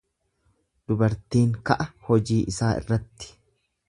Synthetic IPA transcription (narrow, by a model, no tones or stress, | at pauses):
d̪̥ʊbɐɾt̪iːŋkɐʔɐhɔd͡ʒiːʔɪsaːʔɪ̰rːɐt̪ːɪ̥